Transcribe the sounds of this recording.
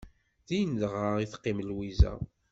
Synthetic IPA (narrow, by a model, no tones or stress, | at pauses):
ðijnðəʁaiθqːɪmlwizæ̰